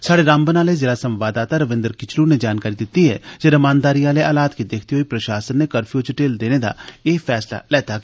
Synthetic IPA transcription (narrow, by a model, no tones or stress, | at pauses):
saːɽeɾãːmbənaːlezeːɾasə̃mʋaːd̪aːt̪aɾəʋɪ̃nd̪əɾkɪt͡ʃʰluned͡ʒaːnkaːɾid̪ɪt̪iɦɛ̰d͡ʒeɾɐmãːnd̪aːɾiaːleʔaːlaːt̪kid̪eːkʰt̪iɦoipɾɐʃaːsənːekəɾfʰijot͡ʃɪʈeːld̪eːned̪a̰eːfʰɛːsla̰lɛːt̪ak